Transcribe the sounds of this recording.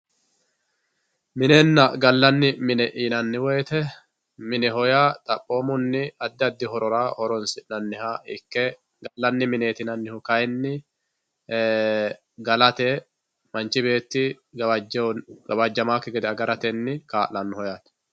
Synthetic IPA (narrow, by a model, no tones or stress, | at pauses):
mɪneːnːɐɡɐlːɐnːɪmɪnɛʔiːnɐnːɪweːt̪ɛ | mɪnɛɦɔjaːt̪ʼɐpʼːo̞ːmʊnːɪɐd̪ːɪɐd̪ːɪhɔɾɔɾaːɔɾɔnsɪnɐnːɪhaːɪ̰kːɛ | ɡɐlːɐnːɪmɪne̞ːt̪ɪnɐnːɪhʊkɐjnːɪ | ɡɐlɐt̪eː | mɐnt͡ʃɪbe̞ːt̪ːɪ | ɐd͡ʒɡɐbɐd͡ʒːɐmaːkːɛɡɛd̪ɛɐɡɐɾɐt̪ɛnːɪkaːlɐnːʊhɔjaːt̪ɐ̥